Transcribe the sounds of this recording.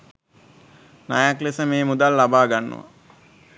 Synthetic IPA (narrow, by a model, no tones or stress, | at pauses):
najaklesəmeːmud̪alːabaːɡanːṵʋa̰